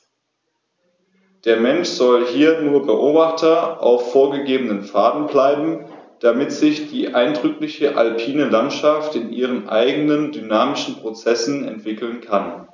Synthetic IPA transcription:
d̥eːɐmɛnʃz̥ɔlhiːɐnuːɐbəʔoːbaχtʰɐʔa̰ʊfːoːɐɡəɡeːbənənfaːdn̩blaɪbm̩d̥amɪtz̥ɪçd̥iːʔaɪndʁʏklɪçəʔa̰lpʰiːnəlantʃaftɪnʔiːʁ̞ənʔa̰ɪɡənəndynaːmɪʃn̩pʁ̥ot͡sɛsn̩ɛ̰ntv̥ɪkl̩nkʰan

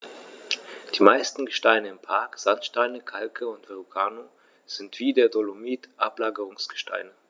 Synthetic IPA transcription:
d̥iːmaɪstn̩ɡəʃtaɪnəɪmpʰaɐkz̥antʃtaɪnəkʰalkʰəʊntv̥eʁuɡʰaːno | z̥ɪntv̥iːdeːɐdolomiːtʔaplaːɡəʁʊŋsɡ̥ə̥ʃta̰ɪnə

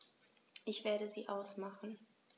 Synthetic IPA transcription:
ʔɪçv̥eːɐɾəziːʔaʊsmaχn̩

